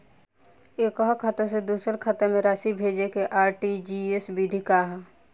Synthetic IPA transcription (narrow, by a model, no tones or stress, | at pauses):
eːkɔɦɔkʰət̪əs̬ed̪uːsəɾkʰət̪əmẽɾaːʃibʱeːd͡ʒekeʔaːɾʈid͡ʒiesbid̪ʱikaːɦ